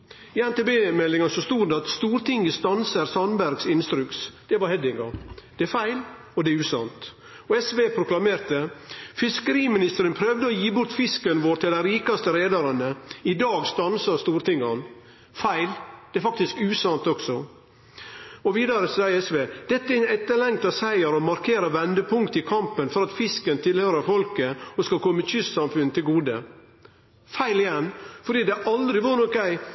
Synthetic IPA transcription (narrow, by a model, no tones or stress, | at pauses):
ɪænt̪ebeːmɛlːɪŋɑsɔst̪uːɾd̪ɛɑt̪st̪uːɾt̪ɪŋɡəst̪ɑnsəɾsɑnbæɾɡsɪnst̪ɾʉksd̪̥ɛʋɑɾhɛd̪ɪŋɡɑd̪̥ɛæɾfæɪl | ɔd̪ɛʉːsɑ̰nt̪ | ɔɛsʋeːpʰɾʊklɑmeːɾt̪əfɪskəɾiːmɪnɪst̪əɾənpʰɾœʋd̪əɔjiːbʊɾt̪fɪskənʋoːɾt̪ɪld̪æɪɾiːkɑst̪əɾeːd̪ɑɾɑnəɪd̪ɑːɡst̪ɑnsɑɾst̪uːɾt̪ɪŋːɑn | fæɪld̪̥ɛɛɾfɑk̚t̪ɪskʉːsɑnt̪ɔɡsɔ | ɔʋiːd̪ɑɾəsæɪɛsʋeːd̪̥ɛt̪ːəæɾɪnɛt̪ːəɭɛŋkt̪ɑsæɪəɾɔmɑɾkʰeːɾəʋɛnd̪əpʰʊŋkt̪ɪkʰɑmpənfɔɾɑt̪fɪskənt̪ʰɪlhøːɾəɾfɔlkəɔskɑlkʰɔməçʏst̪sɑmfʉnt̪ʰɪlɡuːd̪ə | fæɪlɪjɛnfɔɾɖiːd̪ɛʔɑld̪ɾɪʋɑːɾnɔkæɪ